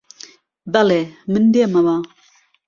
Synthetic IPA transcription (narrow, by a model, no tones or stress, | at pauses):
balemənd̪eamaba